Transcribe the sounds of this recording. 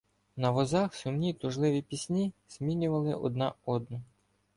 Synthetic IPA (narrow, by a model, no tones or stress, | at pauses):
nɐʋɔzɑxsʊmnʲit̪ʊʒlˠɪʋʲipʲisʲnʲiz̥mʲinʲʊʋɐlˠɪʔɔ̰d̪nɑɔd̪nɔ